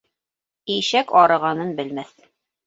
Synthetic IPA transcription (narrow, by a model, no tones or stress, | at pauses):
iʃækɑɾɤ̆ʁɑnɤnbɘ̆lmæθ